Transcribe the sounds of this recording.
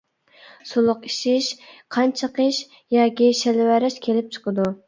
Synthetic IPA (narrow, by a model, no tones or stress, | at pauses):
sulˠʊqi̥ʃiʃqʰɑnt͡ʃʰɑqəʃ | jɑːkʲiʃælwæɾɪʃkʲʰelɪp̚t͡ʃʰə̥qəd̪u